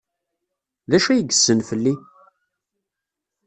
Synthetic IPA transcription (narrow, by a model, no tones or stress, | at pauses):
ðæʃæjɡəsːənfəlːi